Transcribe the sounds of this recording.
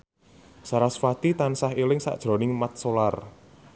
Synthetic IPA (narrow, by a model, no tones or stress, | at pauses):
saɾasfat̪it̪ansaɦilɪŋsa̰ʔd̥ʒ̥ɾo̤nɪŋmat̪̚solar